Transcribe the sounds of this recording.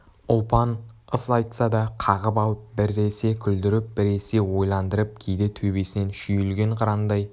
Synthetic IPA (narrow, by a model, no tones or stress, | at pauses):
ʊlˠpɑnəsɑjt̪sɑd̪ɑqʰɑʁəpɑlˠəp̚bɪɾːe̞se̞kʲʰʏld̪ɪɾɪp̚b̥ɪɾe̞se̞wo̞jlˠɑnd̪əɾəp̚kʲʰejd̪ɪt̪ʰɵbe̞sɪne̞nʃʏjʏlɡʲe̞ɴqʰɑɾɑnd̪ɑj